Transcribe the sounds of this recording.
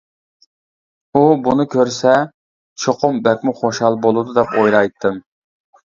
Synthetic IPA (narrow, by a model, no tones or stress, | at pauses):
ubunɨkʲʰøɾsɛ | t͡ʃʰoqʰʊmbɛk̚ʲmʊχoʃhɑlˠbolˠud̪ud̪ɛpojɾɑjt̪ʰːɨm